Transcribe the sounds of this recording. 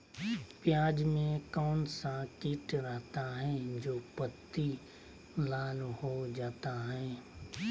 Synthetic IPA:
pɪjaːd͡ʑmẽkɔːnsãkiːʈɾəɦt̪aɦɛ̃d͡ʑoːpɐt̪ːi | laːlhod͡ʒaːt̪aɦɛ̃ː

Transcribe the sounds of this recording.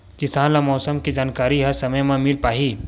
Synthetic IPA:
kɪsaːnlamɔːsəmkid͡ʒaːnkaːɾiɦɐɾsɐməjmãmɪlpaːɦiː

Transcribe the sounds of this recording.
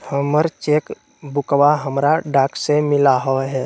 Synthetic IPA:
həməɾt͡ʃeːk | bʊkwaɦəmɾaɖaːksemɪlaɦoɦɛː

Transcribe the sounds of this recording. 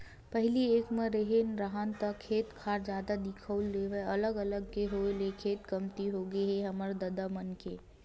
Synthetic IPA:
pɛɦlieːkmẽɾeɦeːnɾaɦant̪ɐkʰeːt̪kʰaːɾd͡ʒjaːd̪ad̪ɪkʰəʊlːeʋeɐləɡɐləɡkeɦoːelekʰeːt̪kɐmt̪iɦoːɡəiɦɛɦɐməɾd̪ɐd̪amənkeː

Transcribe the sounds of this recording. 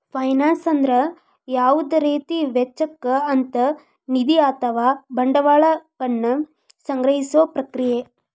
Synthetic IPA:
pʰɐjnaːnsɐnd̪ɾɐ | jaːʋud̪ɐɾiːt̪iʋet͡ʃːɐkːɐɐnt̪ɐ | nid̪iaːt̪ɐʋaːbɐɳɖɐʋaːɭɐpɐɳːɐ | sɐŋɡɾɐɦisoːpɾɐkɾije

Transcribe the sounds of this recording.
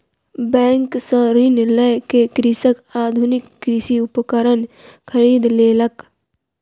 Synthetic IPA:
bɛ̃ːŋksə̃ɾɪnləjkekɾɪsəkaːd̪ʱʊnɪkːɾɪsiʊpəkəɾənkʰəɾiːd̪leːlək

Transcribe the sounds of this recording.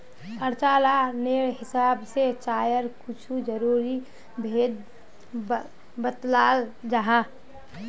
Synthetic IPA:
əɾt͡ʃalaneɽɦɪsabset͡ʃaːjəɾkut͡ʃʰud͡ʒəɾuɾi | bʱed̪̚ | bət̪lald͡ʒaɦa

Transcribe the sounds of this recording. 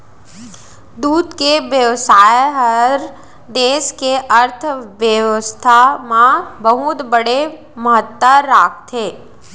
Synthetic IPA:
d̪uːd̪keʋjəʋsaːjɦəɾ | d̪eːʃkeʔəɾt̪ʰʋjəʋəst̪ʰamãbəɦut̪bəɽe | məɦət̪ːəɾaːk̚t̪ʰeː

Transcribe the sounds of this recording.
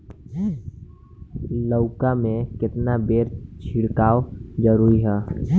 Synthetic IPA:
ləʊkamẽkɪt̪nabeːɾt͡ʃʰɪɽkaːwd͡ʒəɾuːɾiɦɛː

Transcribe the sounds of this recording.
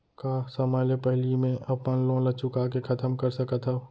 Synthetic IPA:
kasəməjlepəɦlimẽʔɐpənlõlɐt͡ʃʊkakekʰɐt̪əmkəɾsəkət̪ʰɦa

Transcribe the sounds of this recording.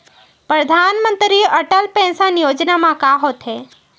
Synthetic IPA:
pɾəd̪ʱanmənt̪ɾiʔəʈəlpɛ̃sanijod͡ʒnamãkaɦot̪ʰe

